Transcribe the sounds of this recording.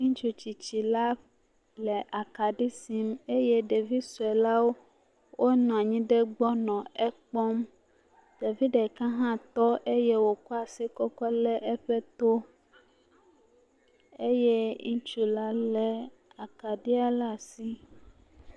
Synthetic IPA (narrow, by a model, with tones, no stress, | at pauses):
ŋĩ˦t͡ʃu˨t͡ɕi˨t͡ɕi˨la˦ | lɛ˨ʔa˨ka˨ɖi˦si˦me˦je˦ɖe˨vi˦su˨ɛ˨la˦wo˦ | wʔo˦nɔ̃˨a˨ɲĩ˦ɖe˦ɡ͡bɔ˦nɔ̃˨ɛ˦k͡pɔ˦m | d̥a˨vi˦dɖe˨kã˦ɦã˦t̪ɔ˦ʔe˦je˦wo˨kɔ˦a˨si˦kɔ˦kɔ˦lɛ˦ʔɛ˦ɸɛ˦t̪o˦ | e˦je˦ŋũ˦t͡ʃu˦la˦lɛ˨ | a˨ka˨ɖi˦a˦la˦si˦